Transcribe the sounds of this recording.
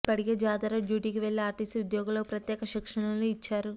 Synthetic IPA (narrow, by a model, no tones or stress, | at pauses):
pɐɽiɡeːd͡ʒaːd̪ɐɾɐɖjuːʈiːkiʋeɭːiaːɾʈisud̪jɔːɡulopɾɐt̪jɛːkɐʃikʂɐɳɐluit͡ʃːaːɾu